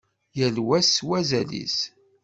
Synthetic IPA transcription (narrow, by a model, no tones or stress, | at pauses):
jəlwæswæzælḭs